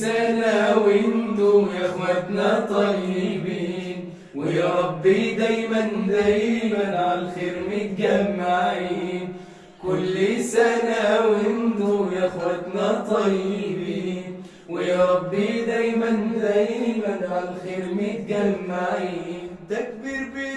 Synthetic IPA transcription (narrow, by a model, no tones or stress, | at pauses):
anawɪnd̪ujaxwat̪nat̪ˤɑjɪbiːn | wɪjɾˤɑbːid̪ajmand̪ajmanʕalxeɾmɪt̪ɡamːaʕajn | kʊlːisanawɪnd̪ujaxwat̪nat̪ˤɑjːɪbin | wɪjɑɾˤɑbːid̪ajmand̪ajmanʕallxɪɾmɪt̪̚ɡamːaʕajt̪ak̚bɪɾbɪ